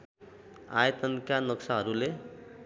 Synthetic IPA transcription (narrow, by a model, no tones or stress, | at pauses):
a̰jʌt̪ʌnkanʌksaɦʌɾule